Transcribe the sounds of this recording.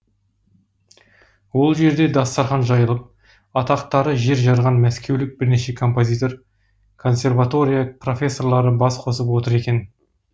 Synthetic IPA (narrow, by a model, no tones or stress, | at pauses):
wo̞lˠʒe̞ɾd̪e̞d̪ɑst̪ɑɾχɑnʒɑjəlˠəp̚ | ɑt̪ɑqt̪ɑɾəʒe̞ɾʒɑɾʁɑnmæskʲe̞wlɪk̚bɪɾne̞ʃe̞kʰo̞mpo̞zʲijt̪o̞r | kʰo̞nsʲe̞rvat̪o̞ɾʲijapro̞fʲe̞sːo̞rlˠɑɾəbɑsqʰo̞səpwo̞t̪əɾe̞kʲe̞n